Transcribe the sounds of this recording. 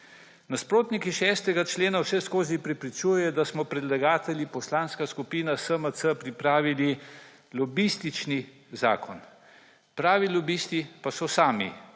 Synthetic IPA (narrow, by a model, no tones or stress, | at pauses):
naspɾoːt̪nikiʃɛst̪ɛɡat͡ʃleːnawʃɛskoːzipɾɛpɾit͡ʃujjɛd̪asmɔpɾɛd̪laɡaːt̪ɛljipɔslaːnskaskupiːnasəməsəpɾipɾaːʋili | lɔbist̪it͡ʃni | za̰ːkɔn | pɾaːʋilɔbiːst̪ipasɔsaːmḭ